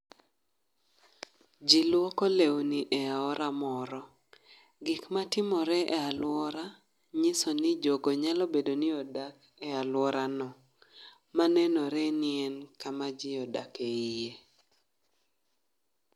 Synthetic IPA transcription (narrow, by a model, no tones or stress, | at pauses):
d͡ʒilwɔkɔlewniʔɛaɔɾamɔɾɔ | ɡɪkmatɪmɔɾɛʔɛalwɔɾa | ɲɪsɔnɪd͡ʒoɡɔɲalɔbedonɪɔdak | ɛalwɔɾanɔ | manɛnɔɾɛnɪɛnkamad͡ʒɪɔda̰keije